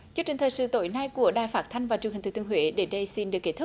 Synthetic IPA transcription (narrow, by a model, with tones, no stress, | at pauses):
t͡ɕu˧əkt͡ɕï˨˩ŋt̪ʰəː˨˩jsɨ̰˧˨˦t̪o̰˧˦jna˧jku˧˩əɗaː˨˩jfaː˦˥t̚t̪ʰa˧jŋ̟vaː˨˩t͡ɕu˨˩ŋï̟˨˩t̪ʰɨ˧˩t̪ɨ˧ə˧ɦhwḛː˧˦ɗe˨˦nɗə˧jsi˧nɗɨ˨˩kːe˦˥t̪̚ʰ